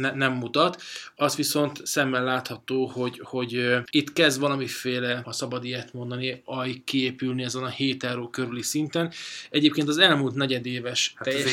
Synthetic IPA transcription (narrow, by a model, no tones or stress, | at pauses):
nɛnɛmːut̪ɒt̪ɒst̪ʋiso̞nt̪sɛmːɛlːaːt̪hɒt̪oːho̞ɟho̞ɟit̪ːkɛzd̪ʋɒlɒmifeːlɛɒsɒbɒd̪iɛt̪mo̞nd̪ɒniɒjikkːieːpylniɛzɛnɒheːt̪aːɾoːkøɾylisint̪ɛnɛɟeːp̚keːnt̪ɒzɛlmuːlt̪nɛɟɛd̪eːvɛʃɛjɛ